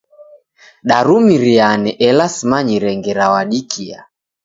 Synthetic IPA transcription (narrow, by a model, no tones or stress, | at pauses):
ɗaɾumiɾianɛʔɛlasimaɲiɾɛŋɡɛɾawaɗikʰia̰